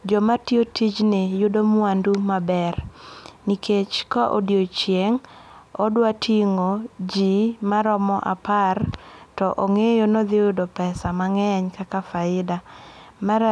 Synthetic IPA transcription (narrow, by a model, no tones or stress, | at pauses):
d͡ʒɔmatiotid͡ʒnejʊdomwandumabɛrnikʰet͡ʃkaʔo̰djot͡ʃjeŋɔdwatʰiŋod͡ʒimaɾɔmɔʔa̰partɔʔoŋejonod̪ɪjʊdopɛsamaŋɛɲkakafaɪdama